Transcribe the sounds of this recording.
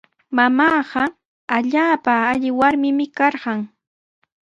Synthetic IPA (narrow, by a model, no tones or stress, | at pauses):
mamɑːɢɑ | aʎaːpaːʎɪwaɾmɪmɪkɑɾɢɑŋ